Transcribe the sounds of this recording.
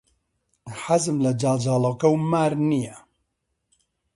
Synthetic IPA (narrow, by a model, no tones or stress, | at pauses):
ħazɨmlɐd͡ʒaːld͡ʒaːloːkɐwmaːɾnijɛ